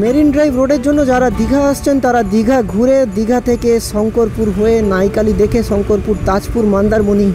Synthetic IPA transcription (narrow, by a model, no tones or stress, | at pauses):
meɾinɖɾajbɾoɖeɾd͡ʑonːod͡ʑaɾad̪iɡʱaaʃt͡ɕʰent̪aɾad̪iɡʱaɡʱuɾed̪iɡʱat̪ʰekeʃɔŋkoɾpuɾɦoenajkalid̪ekʰeʃɔŋkoɾpuɾt̪at͡ɕpuɾmand̪aɾmoni